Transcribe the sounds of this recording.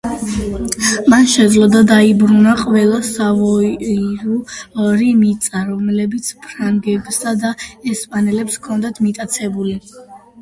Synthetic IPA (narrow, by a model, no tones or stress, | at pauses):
manʃɛd̪zlˠɔd̪ad̪aibɾunaqʼvɛlˠasavɔiɾuɾimit̪sʼaɾɔmlɛbit̪sʰpʰɾaŋɡɛbsad̪aɛspʼanɛlɛpskʰɔnd̪at̪ʰmit̪ʼat̪sʰɛbuli